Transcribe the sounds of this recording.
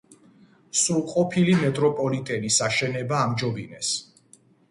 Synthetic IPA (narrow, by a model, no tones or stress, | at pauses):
sulqʼɔpʰilimɛt̪ʼɾɔpʼɔlit̪ʼɛnisaʃɛnɛbaːmd͡ʒɔbinɛs